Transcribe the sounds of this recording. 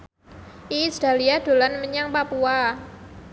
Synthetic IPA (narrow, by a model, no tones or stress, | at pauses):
ʔisd̥a̤liad̥o̤lanməɲaŋpapua